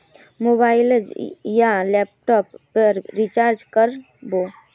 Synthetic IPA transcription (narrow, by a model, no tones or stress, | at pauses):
mobaːɪləd͡ʒjalɛp̚ʈɔpːəːit͡ʃaɾd͡ʒkəɾ | bo